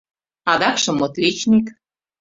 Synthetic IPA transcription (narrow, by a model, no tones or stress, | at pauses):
ɑd̪ɑkʃɤ̆mot̪ʋet͡ɕnʲik